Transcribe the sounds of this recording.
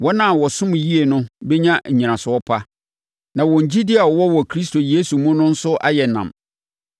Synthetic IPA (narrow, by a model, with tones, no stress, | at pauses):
wɔ˦nã˦˨wɔ˨sʊ̃˦m̃˨ji˦e˨nʊ̃˦be˦ɲã˦ɲ̩˨ɲĩ˨nã˨sʊ˨˦ɔ˦pʰa˦ | nã˨wɔ̃˨ɲ˨d͡ʑi˦dɪ˦a˨ɔ˨wɔ˦wɔ˨kʰɾi˦s̬tʰo˨jeː˦su˨mũ˦nʊ̃˦n̩˦sʊ˦ʔa̰˦jɛ˨nã̰˨m